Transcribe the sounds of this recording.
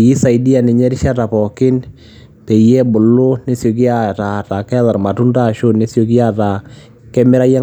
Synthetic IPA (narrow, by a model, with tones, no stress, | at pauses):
ji˦sa˨i˨di˦a˨nɪ˨ɲɛ˦ɾɪ˦ʃa˦ta˨pɔ˨kɪ˦n | pe˨jɛ˦bʊ˨lʊ˦ne˦sjo˨k̬i˦a˦˨ta˨ta˨kɛ˦ða˨ɾma˨tu˦nta˦ʃo˦ne˦sjo˧k̬i˦a˦ta˨ | kɛ˦mɪ˦ɾa˦ja˦